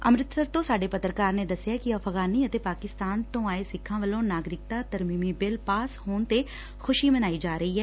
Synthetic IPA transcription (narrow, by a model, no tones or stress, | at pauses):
əmɾɪt̪səɾt̪õːsaːɖeːpət̪ɾəkaːɾneːd̪əsːɪjaːkɪəfʰɣaːniːət̪eːpaːkɪst̪aːnt̪õːaːeːsɪkʰːãːʋəlõːnaːɡɾɪk̚t̪aːt̪əɾmiːmiːbɪlpaːshoːnt̪eː | xʰʊʃiːmənaːiːd͡ʒaːɾəiːɦɛː